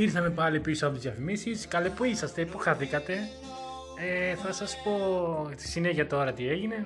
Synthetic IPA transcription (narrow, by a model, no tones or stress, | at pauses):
iɾθɐme̞pɐlipisoɐpot̪izðjɐfimisiskɐlepuisɐst̪e̞ipuxɐθikɐt̪e̞ | eθɐsɐspo̞t̪i̥sineʝiɐt̪o̞ɾɐt̪ie̞ʝine̞